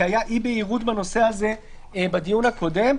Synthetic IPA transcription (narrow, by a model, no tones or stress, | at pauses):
ajaʔibeiʁud̪bano̞se̞haze̞ | bad̪ijunhako̞de̞m